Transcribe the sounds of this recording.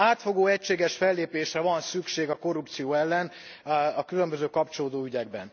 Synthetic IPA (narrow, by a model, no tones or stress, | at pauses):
aːt̪fo̞ɡoːɛcʃeːɡɛʃfɛlːeːpeːʃrɛvɒnsykʃeːɡɒko̞rːup̚t̪sijoːɛlːɛn | ɒkylømbøzøːkɒpt͡ʃoloːd̪oːyɟɛɡ̚bɛ̰n